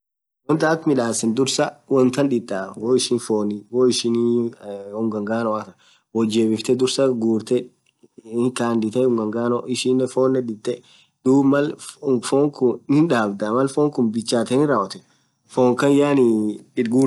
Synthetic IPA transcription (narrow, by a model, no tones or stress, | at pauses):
wɔnt̪aːt̪mɪᶑaːsɪnd̪ʊɾsɐwɔnt̪ɐnᶑɪt̪ʼːawɔɪʃɪnfoːnwoɪʃɪn | ʊŋɡɐŋɡaːnɔwɐt̪ɐ | wɔd͡ʒeːbɪft̪ɛd̪ʊɾsɐɡuːɾt̪ɛ | kaːnd̪ɪt̪ɛʊŋɡɐŋɡaːnɔʔɪʃɪnːɛfoːnːɛᶑɪt̪ʼːɛ | d̪̥uːbmɐlfɔŋkʊɪnᶑaːbd̪amɐlfoːŋkʊnbɪt͡ʃːaːt̪ɛnɪɾaːwɐt̪ɛ̥ | foːŋkɐnjaːnɪɡuː